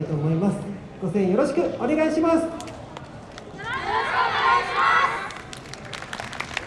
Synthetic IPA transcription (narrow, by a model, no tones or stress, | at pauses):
t̪o̞ːmo̞imasɨ̥ | ɡ̥o̞sẽɰ̃jo̞ɾo̞ɕi̥kɯ̟o̞ne̞ɡaiɕimasɨ̥ | aa